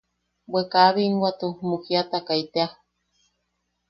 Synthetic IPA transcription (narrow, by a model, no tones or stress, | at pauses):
bwekaβiŋwat̪umukiat̪akait̪ea